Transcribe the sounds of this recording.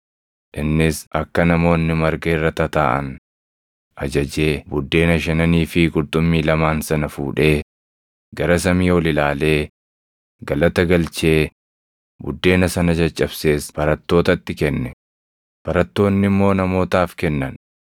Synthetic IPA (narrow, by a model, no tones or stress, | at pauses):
ʔɪnːɪsɐkːɐnɐmo̞ːnːɪmɐɾɡeːrːɐt̪ɐt̪aːʔɐ̰n | ʔɐd͡ʒɐd͡ʒe̞ːbʊd̪ːe̞ːnɐʃɐnɐniːfɪɡʊlt̪ʼːʊmːiːlɐmaːnsɐnɐfṵːᶑe̞ː | ɡɐɾɐs̬ɐmiːwɔlɪlaːle̞ː | ɡɐlɐt̪ɐɡɐlt͡ʃe̞ː | bʊ̰d̪ːe̞ːnɐsɐnɐd͡ʒɐt͡ʃʼːɐbse̞ːsb̥ɐɾɐt̪ːo̞ːt̪ɐt̪ːɪkɛnːɛ | b̥ɐɾɐt̪ːo̞ːnːɪmːo̞ːnɐmo̞ːt̪aːfkɛnːɐn